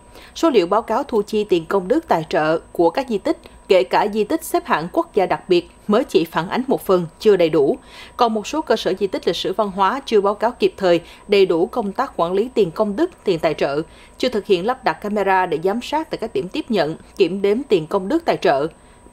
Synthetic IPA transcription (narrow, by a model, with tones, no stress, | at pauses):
so˨˦lḭ˧˨əwɓaː˨˦wkaː˨˦wt̪ʰu˧˩t͡ɕi˧t̪i˨˩ənkə˧wŋ͡mɗɨ˦˥k̚t̪a̰ː˧˨jt͡ɕə̰ː˧˨ku˧˩əkaː˦˥k̚zi˧t̪ï˦˥k̟̚ke˧˩kaː˧˩zi˧t̪ï˦˥k̟̚sɛ˦˥p̚ha̰ː˧˨nku˦˥k̚zaː˧ɗa˨˩k̚ɓi˨˩ət̚məː˨˦jt͡ɕḭ˧˨faː˧˩nʔa˨˦ŋ̟mo˨˩t̚fə˨˩nt͡ɕɨ˧əɗə˨˩jɗu˧˩kɔ˨˩nmo˨˩t̚so˨˦kəː˧səː˧˩zi˧t̪ï˦˥k̟̚li˨˩k̚sɨ̰˧˩va˧nɦwaː˨˦t͡ɕɨ˧əɓaː˨˦wkaː˨˦wki˨˩p̚t̪ʰəː˨˩jɗə˨˩jɗu˧˩kə˧wŋ͡mt̪aː˦˥k̚xwaː˧˩nli˨˦t̪i˨˩ənkə˧wŋ͡mɗɨ˦˥k̚t̪i˨˩ənt̪aː˧˨jt͡ɕə̰ː˧˨ | t͡ɕɨ˧ət̪ʰɨ˨˩k̚hḭ˧˨ənla˦˥p̚ɗa˨˩t̚kːaː˧me˧zaː˧ɗe˧˩zaː˨˦msaː˦˥t̪a̰ː˧˨jkaː˦˥k̚ɗi˧˩mt̪i˦˥əp̚ɲə̰˧˨nki˧˩əmɗe˨˦nt̪i˨˩ənkə˧wŋ͡mɗɨ˦˥k̚t̪a̰ː˧˨jt͡ɕə̰ː˧˨